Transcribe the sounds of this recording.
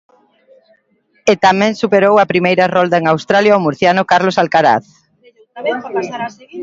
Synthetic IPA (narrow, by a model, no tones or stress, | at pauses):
ɪt̪amɛ̃ŋsupeɾowɐpɾimejɾɐrɔld̪ɐeŋawst̪ɾaljaomuɾθjanʊkaɾlosalkaɾa̰θ